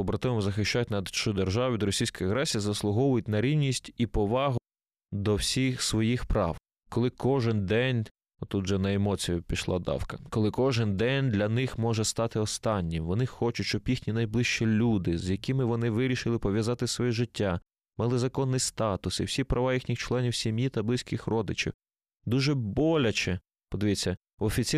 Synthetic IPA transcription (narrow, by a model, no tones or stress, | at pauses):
ɔbɾɐt̪ɔʋɪmʊzɐxɪʃt͡ʃatʲnɐd̪t͡ʃʊd̪erʒɑʋɪd̪ɔɾɔsʲijsʲkɔjɐɣɾɛsʲijɐzɐslˠʊɦɔʋʊjʊt̚ʲnɐɾʲiwnʲisʲtʲipɔʋɑɦʊ | d̪ɔwsʲixsʋɔjixpɾɑ̰w | kɔlˠɪkɔʒɪnd̪ɛnʲ | ɔt̪ut̪ʒɛnɐemɔt͡sʲijʊpʲiʃlˠɑ̰d̪ɑ̰wkɐkɔlˠɪkɔʒɪnd̪ɛnʲd̪lʲɐnɪxmɔʒɛst̪ɑt̪ɪɔst̪ɑnʲːimʋɔnɪxɔt͡ʃʊt͡ʃʲt͡ʃɔbjixnʲinɐjblˠɪʃt͡ʃɛlʲud̪ɪzjɐkɪmɪʋɔnɪʋɪɾʲiʃɪlˠɪpɔʋʲjɐzɑt̪ɪsʋɔjɛʒɪtʲːa | mɛlˠɪzɐkɔnːɪjst̪ɑt̪ʊsḭw̥sʲipɾʔɐʋɑjixnʲixt͡ʃlˠɛnʲiwsʲimjit̪ɐblˠɪsʲkɪxrɔd̪ɪt͡ʃɪ̰w | d̪uʒɛbɔlʲɐt͡ʃɛ | pɔd̪ɪʋʲit͡sʲːɐ | ɔfʲit͡sʲi